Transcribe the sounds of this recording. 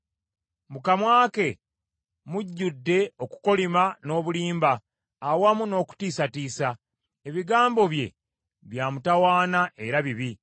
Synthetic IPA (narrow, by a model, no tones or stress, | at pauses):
mukamwaːke̞ | muɟːudːe̞o̞ku̥ko̞limano̞ːβuliːmbaː | wamuno̞ːku̥tiːsatiːsa | e̞βiɡaːmbo̞βje̞̰ | βjaːmutawaːnaʔe̞ɾaβiβi